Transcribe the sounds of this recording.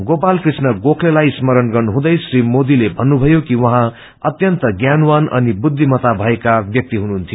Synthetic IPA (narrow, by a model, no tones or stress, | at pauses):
ɡopalkrisnʌɡokʰlelajsmʌɾʌnɡʌnɦũd̪ʌjsrimod̪ilebʱʌnːubʱʌjokiwʌɦã | ʌt̪jʌnt̪ʌɡjanwanʌ̰nibud̪ʱːimʌt̪abʱʌekabjʌk̚t̪iɦunuɦunt̪ʰijo